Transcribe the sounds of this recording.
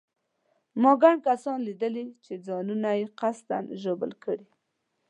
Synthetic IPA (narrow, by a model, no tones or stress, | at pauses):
mɑɡaɳɖ̚kasɑnlid̪əlit͡ʃed͡zɑnunajeqast̪a̰nʒobə̰lkəɽi